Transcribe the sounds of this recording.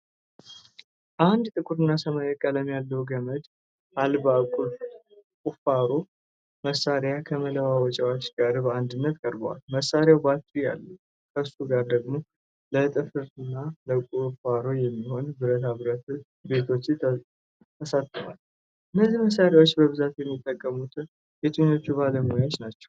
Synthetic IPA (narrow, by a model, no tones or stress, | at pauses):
ʔand̪t̪ʼɨkʼuɾɨnːasəmajəkʼːaləmjalːəwuɡəməd̪ | ʔalbakʼu | kʼufaɾo̞ | məsaɾjakʰəmələwawɔt͡ʃʼɛwat͡ʃːɡ̥aɾbəand̪ɨnːət̪kʼəɾbəwa̰lməsːaɾjawbat̪ʼːuja̰lːə | kʰəsuɡaɾd̪əɡmo̞ | lət̪ʼɨfɨɾɨnːaləkʼufaɾo̞jɛmːiho̞nbɨɾət̪ʰaβɾət̪ | be̞t̪ʰo̞t͡ʃː | t̪ʰəsat̪ʼːɨfa̰l | ʔɨnːəziməs̬ːaɾjawot͡ʃːbəβɨzat̪jɛmːit̪ʼːəkʼːəmut̪ʰɨ | jet̪ʰʼuɲːo̞t͡ʃːuβaləmojawot͡ʃnat͡ʃːɛ̥w